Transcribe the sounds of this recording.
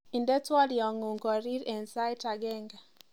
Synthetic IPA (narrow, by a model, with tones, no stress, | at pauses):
i˨nde˦twɔ˦ljɔ˨ŋo˨ŋkɔ˨ɾi˦ɾɛ˨nsa˦i˦ta˨ɡɛ˦ŋɡa˨